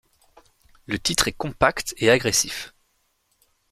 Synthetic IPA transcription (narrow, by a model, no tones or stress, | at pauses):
lət̪it̪χɛkɔ̃pakt̪eaɡʁesif